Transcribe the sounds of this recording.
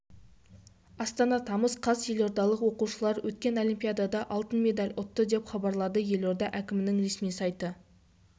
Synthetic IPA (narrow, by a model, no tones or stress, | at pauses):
ɑst̪ɑnɑt̪ʰɑməsqʰɑsje̞lo̞ɾd̪ɑlˠəqwo̞quʃəlˠɑɾwʔɵt̪̚kʲe̞no̞lˠijmpʲijad̪ɑd̪ɑʔɑlˠt̪ənme̞d̪ɑlʲʊt̪ːəd̪e̞pχɑbɑɾlˠɑd̪əje̞lo̞ɾd̪ɑʔækʲɪmɪnɪŋɾe̞smijsɑjt̪ə